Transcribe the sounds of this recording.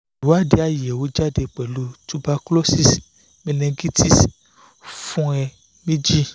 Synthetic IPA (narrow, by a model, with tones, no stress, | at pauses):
u˨˦a˦˨de˧˦a˦˨jɛ˨wo˨˦d͡ʒa˦de˧˨k͡pɛ˨lu˨˦tu˦ba˧klo˦si˦˨s | mĩ˧nɛ̃˧ɡi˦ti˦s | fũ˦ɛ˧ | mĩ˦d͡ʒi˦